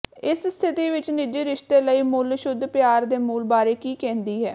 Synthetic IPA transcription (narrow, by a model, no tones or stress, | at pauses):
ɪsst̪ʰɪt̪iːʋɪt͡ʃnɪd͡ʒiːɾɪʃt̪eːləiːmʊlʃʊd̪ʱːpɪjaːɾd̪eːmuːlbaːɾeːkiːkɛ̃ːnd̪iːɦɛː